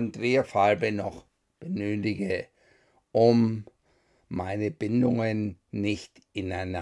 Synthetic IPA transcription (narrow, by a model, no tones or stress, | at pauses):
ndʁeːɐfalbənɔχ | b̥ənøːtɪɡə | ʔʊm | aɪnəbɪndʊŋənːɪçt | ʔɪnaɪna